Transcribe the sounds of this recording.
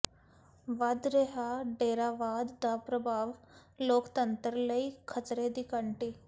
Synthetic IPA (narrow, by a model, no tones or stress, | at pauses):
ʋɐd̪ɾeɦaɖeːɾaːʋaːd̪ːapɾɐbʱaːʋloːkt̪ɐnt̪ɾlɐikʰɐtɾeːd̪ikɐɳʈi